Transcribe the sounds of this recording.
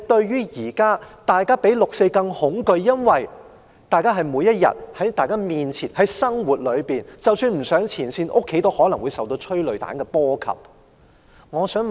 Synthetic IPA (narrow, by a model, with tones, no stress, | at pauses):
t̪ɵ˧ɥɥyː˥jiː˨˩kaː˥t̪aː˨jkaː˥pe˨˥jlʊ˨k̚se˧jkɐ˧ŋhʊ˨˥ŋkɵ˧ɥːɐ˥nwɐ˨j | t̪aː˨˩jkaː˥ɦɐ˨jmuː˨˧jːɐ˥t̚jɐ̰˨t̚hɐ˨˥jt̪aː˨˩jkaː˥miː˨nt͡sʰiː˨˩nhɐ˨˥jsɐ˥ŋwu˨t̚lɵ˨˧ɥpiː˨nt͡sɐ˨wsyː˧nm̩˨˩sœː˨˥ŋt͡sʰiː˨˩nsiː˧nʔʊ˥kʰːe˨˥jt̪o˥whɔː˨˥lɐ˨˩ŋwu˨˧jsɐ˨˩wt̪o˧wt͡ʃʰɵ˥ɥlɵ˨ɥt̪a̰ː˨˥nkɛː˧pɔː˥kʰɐ̰˨p̚ | ŋɔː˨˧sœː˨˥ŋ